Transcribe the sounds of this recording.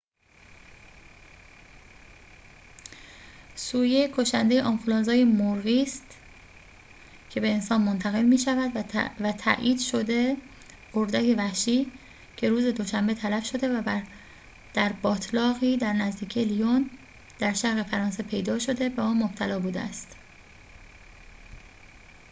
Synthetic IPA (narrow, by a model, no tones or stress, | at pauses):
suːje̞kʰoʃænd̪e̞jeʔɒnfulɒːnzɒːjemoɾɣiːst̪ | cʰe̞be̞ːnsɒːnmont̪ʰæɣe̞lmiːʃævæd̪væt̪ʰæ̰ʔiːd̪̥ʃod̪e̞ | ɢoɾd̪ækevæʃiː | cʰe̞ɾuːze̞d̪o̞ʃæmbe̞t̪ʰælæfʃo̞d̪e | d̪̥æɾbɒːt̪ʰlɒːɣiːd̪æɾnæzd̪iːcʰijelijon | d̪̥æɾʃæɾɣe̞fæɾɒːnse̞pʰe̞jd̪ɒːʃo̞d̪e̞væɒːnmob̥̚t̪ʰælɒːbuːd̪ḛæ̰st̪